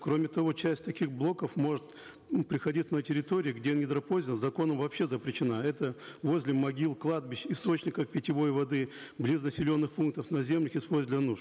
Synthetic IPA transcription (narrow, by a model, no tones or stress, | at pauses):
kɾo̞mʲɪt̪ɐvo̞t͡ɕæsʲtʲt̪ɐkʲiɣblˠo̞kəfmo̞ʐɨt̪ | pɾʲɪxɐdʲit̪sənətʲɪɾʲɪt̪o̞ɾʲɪːɡdʲenʲɪd̪ɾɐpozʲɪəzɐko̞nəmvɐpɕːe̞zəpɾʲɪɕːɪnaɛt̪əvo̞zʲlʲɪmɐɡʲilˠklˠad̪̚bʲɪɕɪst̪o̞t͡ɕnʲɪkəfpʲɪtʲɪvo̞jvɐd̪ɨblʲiznəsʲɪlʲo̞nːɨxpunk̚t̪əfnɐzʲe̞mlʲəxɪspolʲzʲdlʲɐnuʂ